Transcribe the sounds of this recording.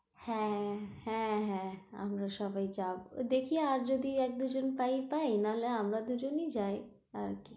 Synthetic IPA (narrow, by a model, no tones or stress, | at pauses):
hɛ̃hɛ̃ɦɛ̃a̰mɾaʃɔbajd͡ʑabod̪ekʰieaɾd͡ʒod̪iɛk̚d̪ud͡ʒonpajpaenaleamɾad̪ud͡ʑonid͡ʑaj | aɾki